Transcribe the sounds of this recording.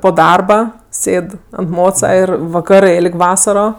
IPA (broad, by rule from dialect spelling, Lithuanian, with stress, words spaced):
poː ˈdɐrbɐ ˈsʲeːt ɐnt ˈmoːt͡sɐ ˈɪr ʋɐˈkɑːrɜ ˈeːlʲkʲ ˈʋɑːsɐroː